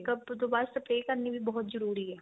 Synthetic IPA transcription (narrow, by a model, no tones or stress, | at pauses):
kɐbd̪oːbaːɾsɐpɾeːkɐɾnibʱibɔɦʊt̪zɐɾuːɾiɦɛː